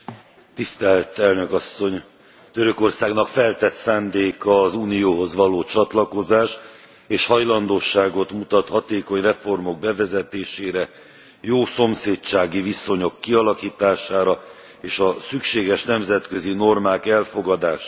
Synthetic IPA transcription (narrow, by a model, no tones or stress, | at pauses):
t̪ist̪ɛlt̪ɛlnø̞kɒsːo̞ɲ | t̪øɾø̞ko̞rsaːɡnɒkfɛlt̪ɛt̪saːnd̪eːkɒːzuːnijoːɦo̞zʋɒloːt͡ʃɒt̪lɒko̞zaːʃ | eːʃhɒjlɒnd̪oːʃaːɡo̞t̪mut̪ɒt̪hɒt̪eːko̞ɲrɛfo̞rmo̞ɡ̚bɛvɛzɛt̪eːʃeːɾɛ | joːso̞mseːtt͡ʃaːɡiviso̞ɲo̞kːiɒlɒkiːt̪aːʃaːɾɒ | eːʃɒsykʃeːɡɛʃnɛmzɛt̪kø̞zino̞rmaːkɛlfo̞ɡɒd̪aːʃ